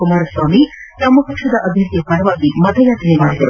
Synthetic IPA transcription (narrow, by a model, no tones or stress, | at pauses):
kumaːɾɐsʋaːmi | t̪ɐmːɐɦɐkʂɐd̪ɐʔɐbʱjɐt̪jɐpɐɾɐʋaːɡimɐd̪ʱɐjaːt̪ɐnemaːɽid̪ɐɾṵ